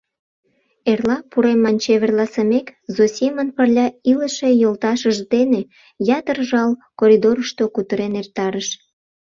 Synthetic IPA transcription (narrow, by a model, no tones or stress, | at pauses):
erlɑpuɾemːɑnʲt͡ɕeβerlɑsəmekzosʲemənpərlʲɑiləʃe̽jolt̪ɑʃəʒd̪ene | jɑt̪ərʒɑlkoɾʲid̪oɾəʃt̪okut̪əɾenert̪ɑɾəʃ